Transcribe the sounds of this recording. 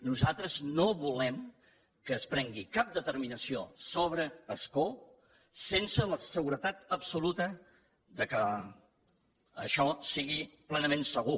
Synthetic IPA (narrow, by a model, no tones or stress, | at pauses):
nuzat̪ɾəznoβulɛm | kəːspɾɛŋɡikap̚d̪ət̪əɾminəsiosoβ̞ɾəəsko | sensələsəɣuɾət̪at̪əpsulut̪ə | ðəkə | ə̰ʃɔsiɣiplɛnəmensəɣu